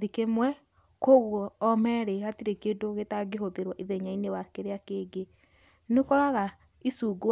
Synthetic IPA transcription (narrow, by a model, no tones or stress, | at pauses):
ðikemwɛ | koɣɔːmɛɾeɣatiɾekedoɣetaɡeɦoðeɾwaʔiðeɲainewakeɾeakeɡe | nekɔɾaɣa | isuɡwa